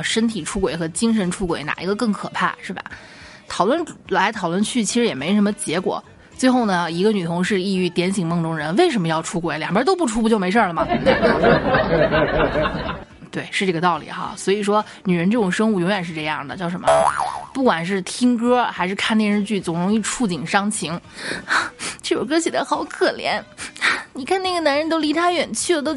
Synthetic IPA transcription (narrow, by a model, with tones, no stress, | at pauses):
ʂə˥nt̪ʰi˨˩ʈ͡ʂʰu˥kwe˨˩ɪxɤ˧˥t͡ɕi˥ŋʂ̬ə˧˥nʈ͡ʂʰu˥kwḛ˨˧˩ɪna̰˨˩ʔi˧˥ɡə˧kɤ˥˩ŋkʰɤ˨˩pʰa̰˥˩ʂɻ̩˥˩bɐ̰˩ | t̪ʰɑ˨˩ʊlwə˥˧nla˧˥ɪt̪ʰɑ˨˩ʊlwə˥˩nt͡ɕʰy˥˩t͡ɕʰi˧˥ʂɻ̩˧˥jɛ˨˩me˧˥˧ʂə˧˥mə˧t͡ɕjɛ˧˥kwɔ̰˨˩˦ | t͡swe˥˧ɪxo˥˩ʊnə˩i˧˥ɡə˧ny˨˩t̪ʰʊ˧˥ŋʂɻ̩˥˧i˥˧y˥˩t̪jɛ˧˥nɕi˨˩ŋmɤ˥˧ŋʈ͡ʂʊ˥ŋɻə˧˥nwe˥˩ɪʂə˧˥mə˧jɑ˥˩ʊʈ͡ʂʰu˥kwe˨˧˥ɪljŋbjə˧˥t̪o˥ʊp̬u˥˩ʈ͡ʂʰu˥u˧˩t͡ɕjme˧˥ɪʂə˥˩lə˩mɐ˩˥˩ | t̪we˥˩ɪʂɻ̩˥˧ʈ͡ʂɤ˥˩ɡə˧t̪ɑ˥˩ʊlḭ˨˩xa̰˧˥swɔ˧˥i˨˩ʂwɔ˥ | ny˨˩ɻə˧˥nʈ͡ʂɤ˥˩ʈ͡ʂʊ˨˩ŋʂɤ˥ŋu˥˩jʊ˧˥ŋɥɛ˨˩nʂɻ̩˥˧ʈ͡ʂɤ˥˧jɑ̰˥˩ŋd̪ə˩t͡ɕjʊʂ̬ə˧˥nmə̰˧pu˥˩kwa˨˩nʂ̬ɻ̩˥˩t̪ʰi˥ŋk̬ɤ˥xa˧˥ɪʂɻ̩˥˧kʰa˥˩njɛ˥ɻə˧˥nt͡ɕy˥˩t͡sʊ˨˩ŋɻʊ˧˥ŋi˥˩ʈ͡ʂʰu˥˩t͡ɕi˨˩ŋʂɑ˥ŋt͡ɕʰi˧˥ŋ˩ | t͡ɕo˥˩jo̰˨˩k̬ɤ˥ɕɛ˨˩d̪ə˧˦˥xɑ˨˧˩ʊkʰɤ˨˩ljɛ̰˧˥n˥ni˨˩kʰa˥˧na˥˩ɡə˩na˧˥nɻə˧˥nt̪o˥ʊli˧˥t̪ʰa˥ɥɛ˨˩nt͡ɕʰy˥˩lə˨˩t̪o˥ʊ